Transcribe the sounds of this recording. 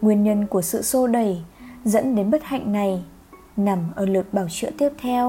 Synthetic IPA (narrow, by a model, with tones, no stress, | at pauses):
ŋwi˨˩ənɲə˧nku˧˩əsɨ̰˧˨so˧ɗə˨˩jzə̰˧˥nɗe˨˦nɓə˦˥t̚ha̰˧˨jŋ̟na˨˩j | na˨˩mʔəː˧˩lɨ˨˩ək̚ɓaː˧˩wt͡ɕɨ̰˧˥ət̪i˦˥əp̚t̪ʰɛ˧w